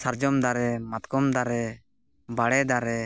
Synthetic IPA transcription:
saɾd͡ʒɔmd̪aɾɛmat̪kɔmd̪aɾɛ | baɽɛd̪aɾɛ

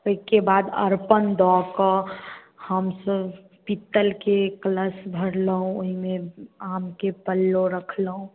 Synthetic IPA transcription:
oikebad̪ə̰ɾpənd̪ɔkə | həmsəb | pit̪ːəlkekləsbʱəɽləɦũoɦimeamkepəlːoɾəkʰləɦũ

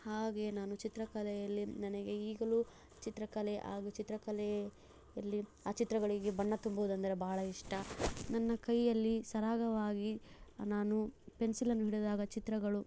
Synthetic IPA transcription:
haːɡe̞naːnut͡ʃit̪ɾɐkɐlɛjɐlːinɐnɛɡe̞iːɡɐlu | t͡ʃit̪ɾɐkɐleʔa̰ːɡut͡ʃit̪ɾɐkɐlɛ | jɐlːiaːt͡ʃit̪ɾɐɡɐɭiɡebɐɳːɐt̪umbɐʋud̪ɐnd̪ɐɾe̞baːɐɭɐiʂʈɐnɐnːɐkɐjɐlːisɐɾaːɡɐʋaːɡinaːnupensilɐnːuɦiɽd̪aːɡɐt͡ʃit̪ɾɐɡɐɭu

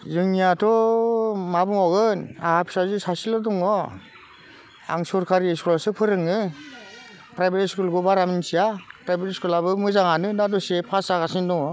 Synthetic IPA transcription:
zɯŋnijatʰɔ | mabuŋɔɡɯnahapʰi̥sazisasilɔdɔŋɔ | a̰ŋsɔɾkʰaɾieskʰulasɯpʰɯɾɯŋːɯ | pɾajbeɾiskulɡɔbaɾaminsijapɾajbeɾiskulabɯmɯzaŋanɯnadɔsepʰasakasindɔŋɔ

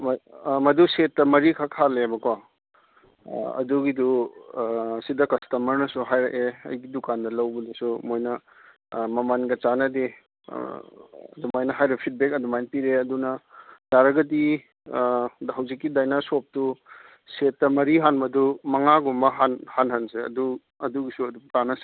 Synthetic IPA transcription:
mmɐdusetːɐmɐɾikʰakʰalebɐko | ɐ̰duɡidu | sidɐkɐstɐmɐɾnɐsuɦajɾɐ̰ʔeɐ̰jɡidukandɐlɐwbɐnesumojnɐ | mɐmanɡɐt͡ʃanɐdḭ | ɐ̰dumajnɐɦajɾepʰit̚bekɐdumajnpiɾeɐdunɐdaɾɐɡɐdi | dɦɐwzikːidajnasop̚tu | setːɐmɐɾiɦanbɐdumɐŋaɡumbɐɦanhanɦanseɐ̰du | ɐduɡisuɐdutanɐse̥

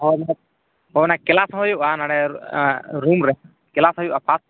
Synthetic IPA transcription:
ɦɔna | ɦɔnakɛlasɦɔjuʔanaɽɛ | ɾumɾɛ | kɛlasɦɔjuʔapʰas

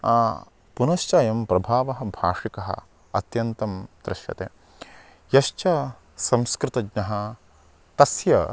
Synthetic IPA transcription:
aː | punɐʃt͡ʃaːjɐmpɾɐbʱaːʋɐɦɐ̆bʱa̰ːʂikɐɦɐ̰ | ɐ̰t̪jɐnt̪ɐmd̪ɾɪʃjɐ̰t̪ḛː | jɐʃt͡ʃɐ | sɐmskɾɪt̪ɐɡnɐɦɐ | t̪ɐsjɐ

